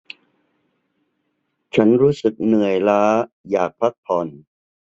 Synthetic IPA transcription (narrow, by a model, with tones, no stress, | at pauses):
t͡ɕʰa˦˥nɾuː˦˥sɯ˨˩k̚nɯ˨˩əjlaː˦˥ | jaː˨˩k̚pʰa˦˥k̚pʰɔ˨˩n